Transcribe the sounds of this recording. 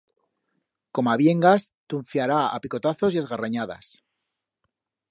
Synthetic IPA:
ko̞maβje̞ŋɡast̪uɱfjaɾaa̰piko̞t̪aθo̞sjezɣaraɲaða̰s

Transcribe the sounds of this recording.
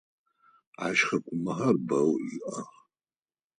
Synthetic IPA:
a̰ʃχakʷʼumaɦarbawiʔʼa

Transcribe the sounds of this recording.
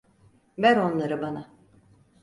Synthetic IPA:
væɾo̞nlˠaɾɯbana

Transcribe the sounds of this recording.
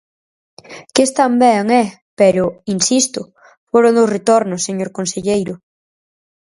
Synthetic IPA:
kɪst̪ambɛŋɛ | pɛɾʊinsist̪ʊ | foɾond̪osret̪oɾnʊsːeɲoɾkonseʎejɾʊ

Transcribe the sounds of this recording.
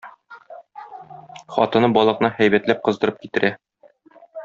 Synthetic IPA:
χɒ̰t̪ɤ̆nɤbɒlˠɤ̆qnɤhæjbæt̪læp̚qɤ̆zd̪ɤ̆ɾɤp̚kit̪ɘ̆ɾʔæ

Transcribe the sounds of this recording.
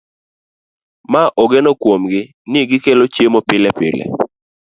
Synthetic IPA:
maʔɔɡɛnokwomɡɪ | nɪɡɪkelot͡ʃjemopɪlɛpɪ̰lɛ̰

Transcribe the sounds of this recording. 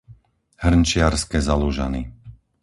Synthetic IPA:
hr̩nt͡ʃɪaɾskɛzaluʒa̰ni

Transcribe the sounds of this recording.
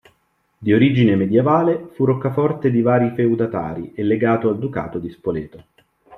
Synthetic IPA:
d̪ioɾid͡ʒinemed̪jevaːlefurokːafɔrt̪ed̪ivaːɾifewd̪at̪a̰ːɾḭelːeɡaːt̪oald̪uka̰ːt̪od̪ispolɛːt̪o

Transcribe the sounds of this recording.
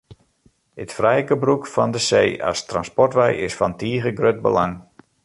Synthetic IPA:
ətfrɛjkəbrukfɔndəseːa̰stranspɔrtʋɛjɪsfɔntiːɣəɡrøt̚bə̰laŋ

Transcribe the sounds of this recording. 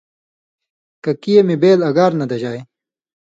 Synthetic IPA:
kɐkijɐmibeːlɐɡaːɾnɐd̪ɐʑaːj

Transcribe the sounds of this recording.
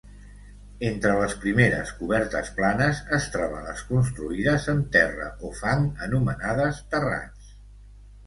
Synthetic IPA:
ent̪ɾələspɾimeɾə̰skuβɛɾt̪əsplanəzəst̪ɾaβələ̰skunst̪ɾuiðəzənt̪ɛrə̰ʔofaŋənumənaðəst̪əra̰s

